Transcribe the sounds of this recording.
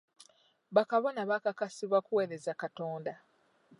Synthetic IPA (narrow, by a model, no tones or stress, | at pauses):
βakaβo̞naβakakasiβakuwe̞ːɾe̞zakato̞ːnda